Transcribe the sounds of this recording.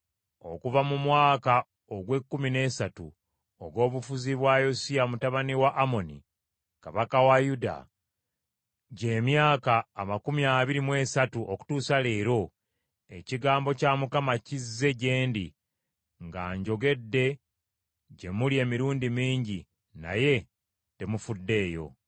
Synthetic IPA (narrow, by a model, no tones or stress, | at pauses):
o̞̰kuvamumwaːka | oɡwe̞kːumine̞ːsatṵ | o̰ɡo̞ːβufuziβwajo̞siamutaβaniwaʔːmo̞nḭ | kaβakawajuda̰ | ɟe̞ːmjaːkaːmakumiaβiɾimwe̞ːsatuʔoku̥tuːsale̞ːɾo̞ | e̞ciɡaːmbo̞camukamacizːe̞ɟe̞ːndi | ŋɡaːɲɟo̞ɡe̞dːe̞ | ɟe̞mulie̞ːmiɾuːndimiːɲɟi | na̰je̞ | te̞mufudːe̞ːjo̞̰